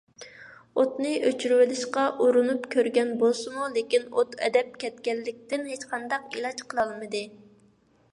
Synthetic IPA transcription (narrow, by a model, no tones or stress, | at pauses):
ot̪nɨʔøt͡ʃʰyɾwɪlɪʃqɑʔoɾunupkʲʰøɾɡʲɛnbolˠsɨmulekʲinot̪ɛ̰d̪ɛp̚kʲʰɛt̪̚kʲɛlːɪkʲt̪ɪnɦet͡ʃqʰɑnd̪ɑqilˠɑt͡ʃqʰəlˠɑlˠmɨd̪ɨ